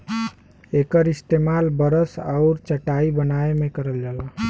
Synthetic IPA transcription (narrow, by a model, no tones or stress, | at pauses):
ekəɾist̪emalbəɾəsa̰ʊɾt͡ʃəʈaibənaemekəɾəld͡ʒala